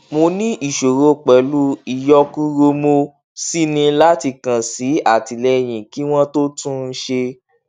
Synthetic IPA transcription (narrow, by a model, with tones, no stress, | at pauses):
mo˧nĩ˦ʔi˦˨ʃo˨ɾo˧˦˨k͡pɛ˨˦lu˦i˨jɔ˦ku˦ɾo˧mo˧˦ | si˦nĩ˧la˦ti˧kã˨si˨˦a˦˨ti˨lɛ˧˨j̃ĩ˨ki˨˦w̃ɔ̃˦to˦tũ˦n̩˧˦ʃe˧